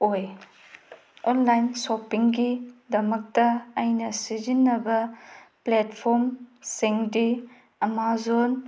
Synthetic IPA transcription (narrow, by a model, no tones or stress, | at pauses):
oj | onlajnsopiŋɡidɐmɐk̚tɐːjnɐsizinːɐbɐpletpʰoɾmsiŋdi | ɐmazon